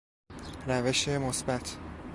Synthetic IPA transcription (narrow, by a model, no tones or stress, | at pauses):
ɾæve̞ʃe̞mosbæt̪ʰ